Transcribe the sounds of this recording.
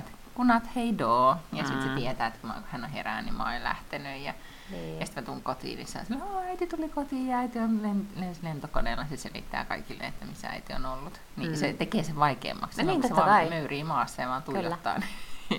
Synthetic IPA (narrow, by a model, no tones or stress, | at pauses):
et̪ | kunɑt̪heidoːjɑsit̪set̪iet̪æːet̪kumɑ̰hænõhḛræ̰ːnḭmɑ̰o̰illæ̰ht̪enyjjɑ | njɑsi̥t̪mæt̪ulŋkot̪ḭːnḭsɑ̰isɑnːeoːæit̪it̪ulikot̪iːjjɑæit̪ionlenlenslent̪okoneːlːɑset̪selḭt̪ːæ̰ːkɑ̰ikilːḛḛt̪ːæmisːææ̰it̪io̰nolːut̪ | niset̪ekeːseʋʋɑikḛːmːɑ̰ksemseʋɑmøyriːmɑːsːɑːʋɑːnt̪uijot̪ːɑ̰ːni